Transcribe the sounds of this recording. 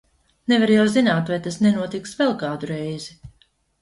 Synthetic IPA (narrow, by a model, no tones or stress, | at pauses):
nɛvaɾjawzinaːt̪vajt̪asnɛnuɔt̪iksvɛlˠkaːd̪uɾɛjzi